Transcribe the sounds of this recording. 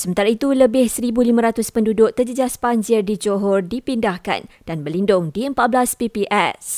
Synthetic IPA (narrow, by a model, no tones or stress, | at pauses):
səmənt̪aɾait̪uləbɪhsəɾibulimãɾat̪ʊspəndudʊkt̪ərd͡ʒəd͡ʒaspaɲd͡ʒɪrdid͡ʒoɦɔrdipindahka̰nd̥anbərlindʊŋdiəmpaʔ̚blaspipiʔɛs